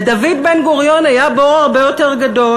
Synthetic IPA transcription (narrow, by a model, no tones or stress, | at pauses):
david̪benɡoʁjo̞najaboaʁbejo̞teʁɡado̞